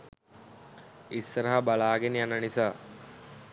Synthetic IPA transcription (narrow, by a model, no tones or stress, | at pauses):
isːəɾəɦabalaːɡenijanənisaː